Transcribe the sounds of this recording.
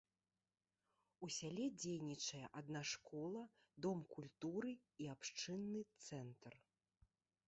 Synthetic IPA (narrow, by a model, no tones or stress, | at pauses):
usʲalʲɛd͡zʲejnʲit͡ʂɐjɛ̰ʔad̪naʂkɔlˠɐ | d̪ɔmkulʲt̪uɾɨ | iapʂt͡ʂɨnːɨt̪sɛnt̪r